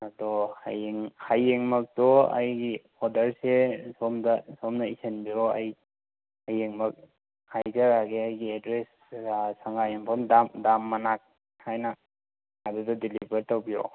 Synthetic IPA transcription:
adɔhajeŋhajeŋmɐk̚tɔa̰jɡi | ɔdɐɾsesɔmdasɔmnaisenbioaj | hajeŋmɐk̚ | hajɡaɾaɡeajɡiedɾes | ɡasaŋɡajaŋpʰɔmdamdamːanak̚ | hajna | adudɔdilibɐɾtawbijo̰

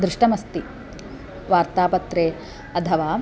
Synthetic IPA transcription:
d̪ɾɪʂʈɐmɐst̪i | ʋaːɾt̪aːpɐt̪ɾeː | ɐt̪ʰɐʋaː

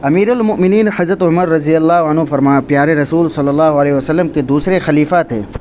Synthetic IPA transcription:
ɐmiːɾɐlmʊʔmɪniːnħɐzɾət̪ɦʊməɾːɐzijɐlːaːɦɐnɦũfɐɾmaːpjaːɾeɾɐsuːlsɐlːəlːaːɦɐleːɦʋɐsɐlːəmked̪uːsɾexɐliːfaːt̪ɦḛː

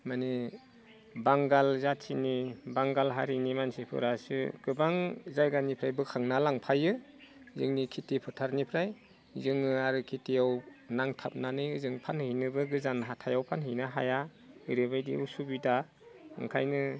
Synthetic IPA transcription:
mani | baŋɡalzatʰːinibaŋɡalɦa̰ɾinimansipʰɯ̰ɾasɯ̰ɡ̥ɯbaŋzajɡanipʰɾajbɯkʰaŋnalaŋpʰajɯ | zɯ̰ŋnikʰitipʰɯtʰaɾnipʰɾaj | zɯŋɯaɾɯkʰitijawnaŋtʰap̚nanɯjɯzɯŋpʰanhɯjnɯbɯɡɯzanɦatʰajawpʰanɦɯjnaɦa̰ja | ɯjɾɯbajdḭusubida | ɯ̰ŋkʰajnɯ

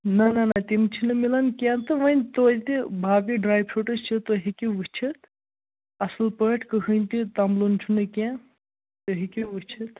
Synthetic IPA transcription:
nɐnɐnɐt̪imt͡ʃʰinɨmilɐnkãnt̪ɨʋənʲt̪ot̪ibʱaːɡiɖɾaːjb̚t͡ʃʰoʈət͡ʃʰit̪oɦikiʋut͡ʃʰit̪ | ɐslpəʈʰkɨɦɨnʲt̪it̪ɐmlunt͡ʃʰunɨkã | t̪oɦikiʋut͡ʃʰit̪

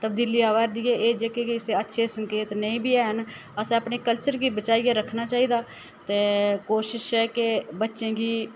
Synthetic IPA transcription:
t̪əb̚d̪iːliːaːʋaːɾd̪iːɛːʔeːd͡ʒeːkekeɪseːətːʃʰesəŋkeːt̪nəĩːbʱiːɛːɦən | əsẽːəpneːkəlt͡ʃəɾɡiːbət͡ʃaːiːeːɾəkʰnaːt͡ʃaːiːd̪aː | t̪eːkoːʃɪʃɦɛːkebətːʃẽːɡiː

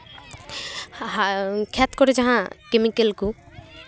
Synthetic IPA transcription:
kʰɛt̪kɔɾed͡ʒaɦãkemikelku

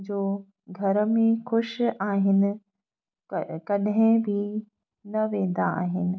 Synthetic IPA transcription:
d͡ʑoː | ɡʱɐɾəmẽxʊʃaːɦɪnɪ̆ | kɐɗɦẽbʱi | nɐʋẽːnd̪aa̰ːɦɪnɪ̆

